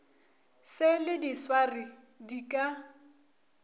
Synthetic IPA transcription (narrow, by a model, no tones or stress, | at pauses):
sɪlɪdiswarɪ | dikʼa